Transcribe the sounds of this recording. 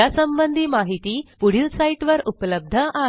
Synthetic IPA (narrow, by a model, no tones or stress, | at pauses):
asəmbənd̪ʱiːmaɦit̪iːpuɽ̤ilsaiʈʋəɾupləb̚d̪ʱəʔa